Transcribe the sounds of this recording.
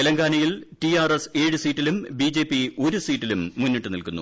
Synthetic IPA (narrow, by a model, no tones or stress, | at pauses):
elɐŋɡaːnɐjiltiaːrese̞ːɻusiːʈːilumbid͡ʑe̞ːpːio̞ɾusiːʈːilumːunːiʈːɨnilkunːṵ